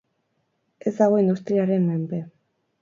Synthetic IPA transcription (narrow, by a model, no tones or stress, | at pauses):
e̞zd̪aɣ̞o̞ind̪ust̪ɾiaɾe̞mme̞mbe̞